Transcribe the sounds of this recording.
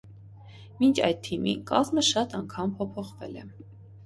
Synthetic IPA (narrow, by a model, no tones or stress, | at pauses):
mint͡ʃʰɑ̰jd̪̚t̪ʰimḭnkɑzməʃɑt̪ɑŋkʰɑmpʰɔpʰɔχvɛ̰lɛ̰